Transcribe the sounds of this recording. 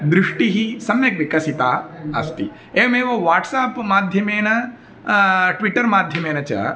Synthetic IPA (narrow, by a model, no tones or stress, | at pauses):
d̪ɾiʂʈiɦisɐmjɐkʋikɐsit̪aːɐst̪ḭ | eːmeːʋɐʋaːʈsaːpmaːd̪ʱjɐmeːnɐ | ʈʋiʈːɐɾmaːd̪ʱjɐmeːnɐt͡ʃɐ̰ː